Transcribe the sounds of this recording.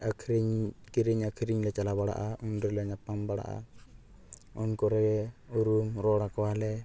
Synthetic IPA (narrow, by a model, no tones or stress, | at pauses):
akʰɾiɲkiɾiɲakʰiɾiɲlɛt͡ʃalaβaɽa̰ʔaunɾilɛɲapambaɽa̰ʔa̰ | unkɔɾɛɛuɾumɾɔɽakɔwalɛ